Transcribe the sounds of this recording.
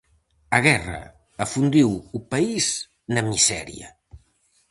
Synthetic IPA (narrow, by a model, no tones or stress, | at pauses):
əɣɛrə̰ | əfund̪iwupəiz | nəmizɛ̰ɾḭə̰